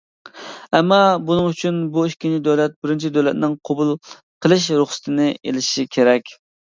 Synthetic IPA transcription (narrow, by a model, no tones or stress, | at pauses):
ɛmːɑbunɨŋyt͡ʃʰynbuikʲint͡ʃʰid̪øwlɛt̪̚bɪɾɪnt͡ʃʰid̪øwlɛt̪̚nɪŋqʰobulˠ | qʰəlˠɨʃ̬ɾʊχsɨ̥t̪ʰɨnɪʔḛlɪʃikʲʰeɾɛkʲ